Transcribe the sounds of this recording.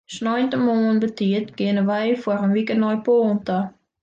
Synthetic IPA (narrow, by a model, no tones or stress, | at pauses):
snɔjntəmoːənbətiətɡiənəʋɛjfwɔərənʋikənɔjpoːntə